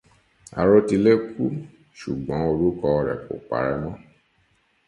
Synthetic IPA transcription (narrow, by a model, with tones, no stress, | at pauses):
a̰˨ɾo˧ti˧le˦ku˦ | ʃu˨ɡ͡bɔ̃˨˦o˧ɾu˦kɔ˧ɔ˧ɾɛ̰˨k͡po̰˨k͡pa̰˨˦ɾɛ˦mɔ̃˦